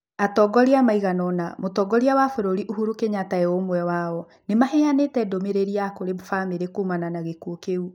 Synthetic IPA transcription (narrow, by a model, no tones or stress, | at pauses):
atɔɡɔɾiamaiɣanɔnamotɔːɡɔɾiawafoɾoɾiʔuhuɾukeɲataeomwɛwaɔ | nemahɛanetɛdomeɾeɾiakoɾemofameɾekomananaɣekuokeu